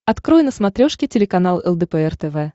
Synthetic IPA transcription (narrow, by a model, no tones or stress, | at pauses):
ɐt̪kɾojnəsmɐt̪ɾʲoʂkʲɪtʲɪlʲɪkɐn̪alˠɛ̰lˠd̪əpɛɛrt̪ɛvɛ